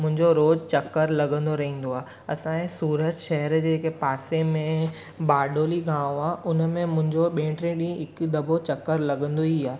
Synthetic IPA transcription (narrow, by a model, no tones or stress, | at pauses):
mʊ̃ɦɪ̃ɲd͡ʑoɾoːd͡ʑt͡ɕɐkːəɾlɐɡə̃nd̪oɾɐɦĩːn̆d̪oaːɦe | ɐsãẽsuːɾət̪ʃɛɦəɾd͡ʑekepaːsemẽ | baːɖʱoːliɡãːʋõaːʔʊnəmẽmʊ̃ɦɪ̃ɲd͡ʑoɓẽːʈɾẽɗĩːɪk̆d̪ɐbʱot͡ɕɐkːəɾlɐɡə̃nd̪oiaː